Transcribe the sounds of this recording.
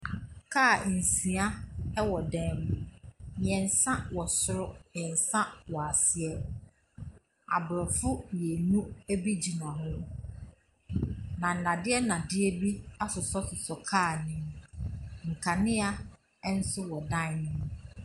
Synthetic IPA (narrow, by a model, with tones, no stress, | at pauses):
kʰaː˦˨n̩˨sĩ˨a˦ɛ˦wɔ˨dɛ̃˦m̃˦mɪ̃˨ɛ̃˨n̩˨sã˦wɔ˨sʊ˦ɾʊ˦mɪ̃˨ɛ˨n̩˨sã˦wɔ˨a˨sɪ˨ɛ˦ | a̰˨bʊ˨ɾɔ˨fʊ˦je˨nũ˦æ˦bi˦d͡ʑi˨nã˨hʊ̃˦ | nã˨n̩˨nã˨dɪ˦ɛ˦nã˨dɪ˦ɛ˦bi˦a˦sʊ˨sɔ˦sʊ˨sɔ˨kʰaː˦˨nɪ̃˦m | ŋ̩˨kʰa˨nɪ̃˦a˦ | n̩˦sʊ˦wɔ˨dã˦˨˦nɪ̃˦m